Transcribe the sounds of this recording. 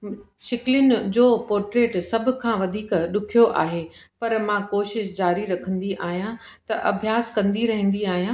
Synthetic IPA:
ʃɪklɪnɪ̆d͡ʑoːpoːɾʈɾeːʈsɐbʱʊ̆kʰãːʋɐd̪ʱiːkɗʊkʰijoʔa̰ːɦepɐɾmãkoːʃɪʃd͡ʑaːɾiɾɐkʰə̃nd̪iʔaːɦijãt̪ɐʔɐbʱjaːskɐ̃nd̪iɾɐɦə̃n̆d̪iaːɦijãː

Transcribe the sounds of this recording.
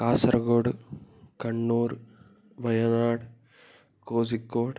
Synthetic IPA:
kaːsɾɐɡoːɽɨkɐɳːuːɾ | ʋɐjɐnaːɽ | koːsikːoːɽ

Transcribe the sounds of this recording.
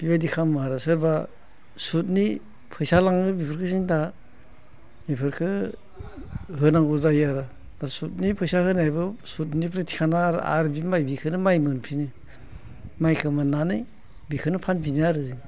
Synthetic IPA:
b̥ibajdikʰamaɾasɯɾba | sut̬̚ni | pʰɯjsalaŋɯbipʰɯɾkʰɯsiŋta | mipʰɯɾkʰɯ | ɦɯnaŋuzajaɾa | dasut̚nipʰɯjsahɯnajbɯsut̬̚nipʰɾetʰi̥kʰanaɾ̰a̰ɾbimajbikʰɯnɯmajmɯnpʰinɯ | majkʰɯmananɯj | bikʰɯnɯpʰanpʰinɯaɾɯzɯŋ

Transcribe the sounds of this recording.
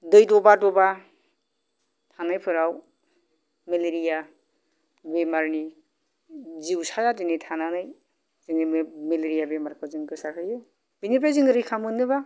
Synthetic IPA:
dɯjdɔbadɔba | tʰanajpʰɯɾaw | meleɾija | bemaɾni | ziwsajadɯnɯjtʰananɯj | zɯŋimeleɾijabemaɾkʰɯzɯŋɡɯsaɾɦʰɯjɯ | b̥inipajzɯŋɡɯɾɯjkʰamɯnɯba

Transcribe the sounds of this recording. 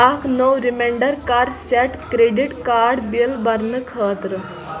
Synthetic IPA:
akʰnəwɾimeɳɖəɾkaːɾɖseʈkɾeɖiʈkaːɾɖbilbɐɾnɨkʰəːt̪ɾɨ

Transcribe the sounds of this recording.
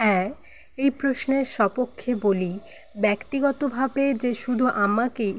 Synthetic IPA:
ɛ | ejpɾosneɾʃɔpokʰːeboli | bɛkt̪iɡɔt̪obʱabed͡ʑeʃud̪ʱuʔamake

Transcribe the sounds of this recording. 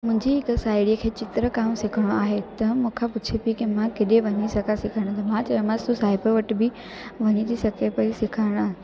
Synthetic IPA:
mʊ̃ɦɪ̃ɲd͡ʑiɦɪksaːɪɽiəkʰeːt͡ɕɪt̪ɾəkaːmsɪkʰəɽ̃oaːɦet̪ɐmũːkʰepʊt͡ɕʰepikimãkeɗeʋɐɲisɐkasɪkʰəɽ̃d̪amãt͡ɕɐɐmãst̪usaːɦɪpəʋɐʈbɪ | ʋɐɲit̪ʰisɐkepɐisɪkʰaːɽ̃a

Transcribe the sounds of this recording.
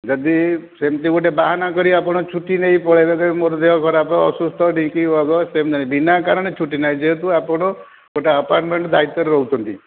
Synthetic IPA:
d͡ʒɔd̪isemt̪ikoʈ̬ebaɦanakɔɾiapɔɽ̃ɔt͡ʃʰuʈineipɔɭebekɔimoɾɔd̪eɦɔkʰɔɾapɔ̃ɔ̰sust̪ɔʈĩkibɔɡɔsemd̪anibinakaɾɔɽet͡ʃʰuʈːinajd͡ʒeɦt̪̬ũapɔɽ̃ɔ | koʈaəpaɾʈmeɳʈd̪ʱait̪ːɔɾeɾɔut͡ʃʰɔnt̪ḭ

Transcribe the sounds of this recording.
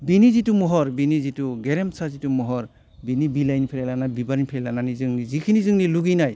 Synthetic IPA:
binizitumɔɦɔɾbinizituɡeɾemsazitumɔɦɔɾ | binibilajnipʰeɾelanabibaɾinipʰeɾelananizɯŋnizikʰinizɯŋniluɡinaj

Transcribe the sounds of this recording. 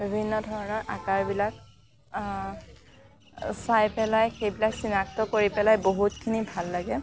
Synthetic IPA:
bibʱinːɔdʱɔɹɔnɔɹʔakaɹbilak | sajpɛlajxejbilaksinak̚tɔkoɹipɛlajboɦutkʰinibʱalːaɡɛ

